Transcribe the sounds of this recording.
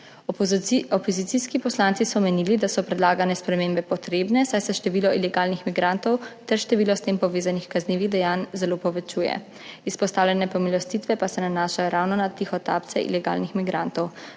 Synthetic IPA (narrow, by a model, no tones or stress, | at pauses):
ɔpɔzit̪siskipɔslant̪sisɔmɛniːlid̪asɔpɾɛd̪laːɡanɛspɾɛmeːmbɛpɔt̪ɾeːbnɛsajsɛʃt̪ɛʋiːlɔʔilɛɡaːlnixmiɡɾant̪ɔwt̪ɛɾʃt̪ɛʋiːlɔst̪eːmpɔʋeːzanixkazniːʋiɣd̪ɛjaːnzɛlopɔʋɛt͡ʃuːjɛ̰ | ispɔst̪aːwlɛnɛpɔmilɔst̪it̪ʋɛpasɛnanaːʃajɔɾawnɔnat̪ixɔt̪aːpt̪sɛ̰ʔḭlɛɡa̰ːlnixmiɡɾant̪ɔw